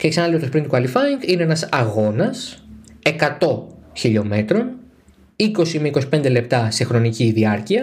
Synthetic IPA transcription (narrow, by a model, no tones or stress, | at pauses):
ceksɐnɐliot̪ospɾint̪ukɐlifɐiŋɡine̞enɐsɐɣo̞nɐse̞kɐt̪o̞çiʎo̞me̞t̪ɾo̞n | iko̞simeiko̞si̥pe̞nd̪e̞le̞p̚t̪ɐse̞xɾo̞niciðiɐɾciɐ